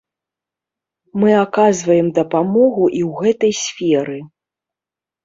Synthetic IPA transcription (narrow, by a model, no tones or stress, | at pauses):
mɨakazvɐjɛmd̪ɐpamɔɣuʔiwɣɛt̪ɐjsʲfʲɛɾɨ